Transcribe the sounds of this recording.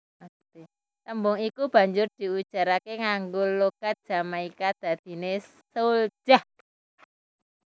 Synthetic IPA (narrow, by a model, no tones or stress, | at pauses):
a | t̪e | t̪əmbʊŋikub̥a̤ɲd͡ʒʊrd̪̥i̤ud̥ʒ̥a̤ɾakeŋaŋɡoloɡ̥a̤t̪̚d̥ʒ̥a̤maikad̪̥a̤d̪̥i̤ne | sold͡ʒ̥ah